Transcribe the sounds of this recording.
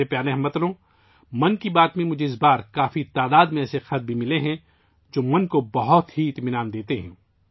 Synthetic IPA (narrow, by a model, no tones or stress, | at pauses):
epjaːɾẽɦɐmɐt̪lõː | mɐnkibaːt̪mẽmʊd͡ʒʱeɪsbaːɾkaːfit̪aːd̪aːd̪mẽɛːsexɐt̪̚bʱimɪleɦɛ̃ | d͡ʒoːmɐnkobɐɦɔt̪ɦiɪt̪mɪnaːnd̪eːt̪eɦɛ̰̃ː